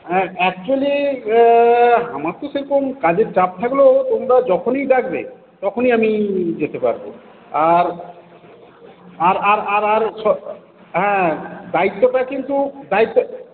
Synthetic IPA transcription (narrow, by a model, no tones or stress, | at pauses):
ɦɛ̃ɛk̚t͡ɕuali | ɦamaɾt̪oʃeɾokomkad͡ʑeɾt͡ɕap̚t̪ʰaklot̪omɾad͡ʑɔkʰonijd̪ak̚ʰbe | t̪ɔkʰoniamid͡ʑet̪epa̰ɾbo̰ | aɾ | aɾaɾaɾaɾʃɔ | ɦɛ̃d̪ait̪ːoʈakint̪ud̪ait̪ːo